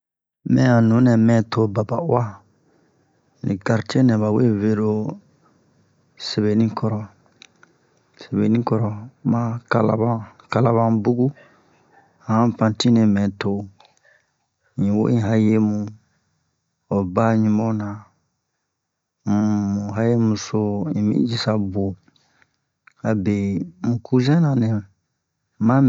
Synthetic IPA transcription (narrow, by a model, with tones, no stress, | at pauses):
mɛ̃˦ã˨nũ˨˦nɛ̃˨mɛ̃˨tʰo˦ba˨ba˨u˦a˦ | nḭ˨ɡa˨ɾt͡ʃɛ˦nɛ̃˨βa˨we˦ve˨ɾo˦ | se˨βe˨nĩ˦kʰɔ˨ɾɔ˨ | se˨be˨nĩ˦kɔ˦ɾɔ˨mã˦ka˨la̰˨˦bã˦ka˨la˦βã˦bu˦ɡu˦˨ | hã˦pã˨ti˦nẽ˨mɛ̃˨to˦ | ĩ˨wo̰˦ĩ˦ɦa˦je˦mũ˨ | o˨ba˦ɲũ˦mɔ˦na˨ | mũ˨ɦa˦je˦mu˨so˦ĩ˨mḭ̃˦d͡ʒi˨sa˦bo˨ | ha˨be˨mũ˨ku˦zɛ̃˦nã˨ne˨ | ma˦